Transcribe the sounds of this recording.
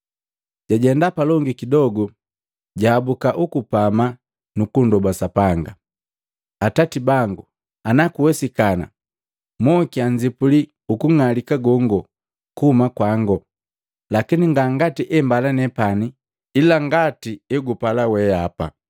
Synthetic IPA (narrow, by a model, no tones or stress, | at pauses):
ɟaɟɛndapalɔŋɡikidɔɡɔ | ɟaːbukaʔukupama | nukundɔbasapaŋɡa | atatibaŋɡu | anakuwɛsikana̰ | mɔkiaɲd͡ʒipuli | ukuŋalikaɡɔŋɡɔ | kuhumakwaŋɡɔ | lakiniŋɡaŋɡatiʔɛmbalanɛpani | ilaŋɡatiɛɡupalawɛapa̰